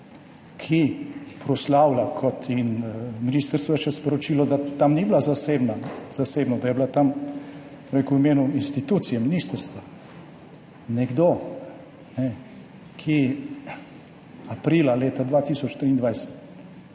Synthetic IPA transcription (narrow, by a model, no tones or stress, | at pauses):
kʰipʰɾɔslaːwlakʰɔt̪inminiːst̪əɾst̪ʋɔjɛʃɛspɔɾɔt͡ʃiːlɔd̪at̪amniblazaseːbnaz̥aseːbnɔd̪ajɛblat̪am | mɾeːkuwimeːnuinst̪it̪uːt̪sijɛminist̪əɾst̪ʋa | nɛɡd̪o | nɛ | kʰi | apɾiːlaleːt̪ad̪ʋaːt̪isɔt͡ʃt̪ɾiːnd̪ʋajsɛ̥t̪